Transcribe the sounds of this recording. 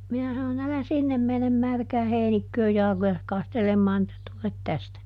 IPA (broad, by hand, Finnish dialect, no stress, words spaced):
minæ sɑnon ælæ sinːem menem mærkæː heinikːøːj jɑlɑ̆kojɑs kɑstelemːɑːn etːæ tulet tæstæ